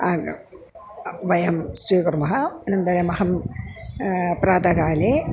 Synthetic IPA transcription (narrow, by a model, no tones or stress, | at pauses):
aːɡ | ʋɐjɐmsɾiːkɐɾmɐɦɐnɐnd̪ɐɾemɐɦɐm | pɾaːd̪ɐɡaːle